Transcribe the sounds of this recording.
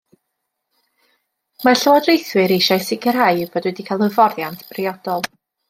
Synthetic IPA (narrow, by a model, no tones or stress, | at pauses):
marɬəwɔdrejθwɨɾejʃajsɪɡʰəɾajb̥odwɛdikʰalˠəvɔrjantʰb̥rɪɔd̥ɔlˠ